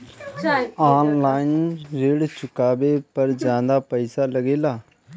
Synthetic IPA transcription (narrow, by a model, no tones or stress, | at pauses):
aːnlaːɪnɾeːɽt͡ʃʊkaːbeːpəɾd͡ʒjãːnd̪aːpəɪsaːləɡeːlaː